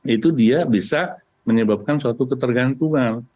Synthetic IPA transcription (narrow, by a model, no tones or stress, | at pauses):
it̪udiabisa | məɲəbap̚kansuat̪ukət̪ərɡant̪uŋan